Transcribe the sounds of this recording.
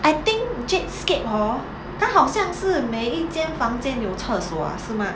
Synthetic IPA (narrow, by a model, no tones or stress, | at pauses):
ʔaɪt̪iŋkt͡ʃɛt̚skep̚hɔ | t̪ʰaɦɑʊɕjɑŋʂɻ̩meɪit͡ɕjɛnfɑŋt͡ɕjɛnjoʊt͡sʰəswɔ̰a̰ʂɻ̩ma